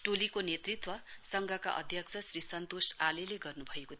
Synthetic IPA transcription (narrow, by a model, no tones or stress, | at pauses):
ʈolikonet̪rit̪wʌsʌŋɡʱʌka̰ʔʌ̰d̪ʱjʌksʰʌsrisʌnt̪osaleleɡʌrnubʱʌeko